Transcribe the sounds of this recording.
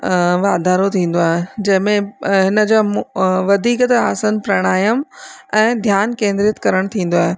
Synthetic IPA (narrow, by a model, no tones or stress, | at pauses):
ʋaːd̪ʱaːɾot̪ʰĩːn̆d̪oaːɦed͡ʑɐ̃ɦɪ̃mẽɦɪnə̆d͡ʑoːʋɐd̪ʱiːkt̪aːsənpɾɐɽ̃aːjəmɛ̃ːd̪ʱjaːnkẽːnd̪ɾijət̪kɐɾəɽ̃t̪ʰĩːn̆d̪oaːɦe